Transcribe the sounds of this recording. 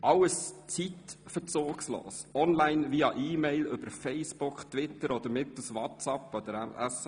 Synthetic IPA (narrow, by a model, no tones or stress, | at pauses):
ʔɑləst͡sit̪fət͡soːkslo̰ːsɔnlæɪnʋiɑʔiːmɛɪlʏb̥əɾfɛɪsb̥ʊkχt̪ʋɪt̪əɾɔd̪əɾmɪt̪l̩sʋɑtsɑpːɔd̪əɾɛæs